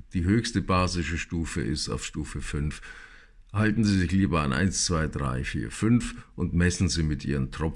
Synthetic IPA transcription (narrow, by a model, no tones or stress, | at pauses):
d̥iːɦøːçstəbaːzɪʃəʃtuːfə̰ʔɪsta̰ʊfʃtuːfəfʏnf | haltn̩ziːzɪçliːbɐa̰nʔa̰ɪnst͡sv̥aɪdʁa̰ɪfḭːɐfʏnfʔʊntmɛsn̩ziːmɪtʔḭːʁəntʁ̥ɔ